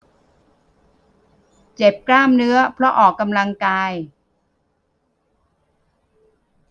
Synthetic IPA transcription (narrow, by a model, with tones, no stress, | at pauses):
t͡ɕe˨˩p̚klaː˥˩mnɯ˦˥ɐpʰɾɔ˦˥ʔɔː˨˩kːa˧mla˧ŋkaː˧j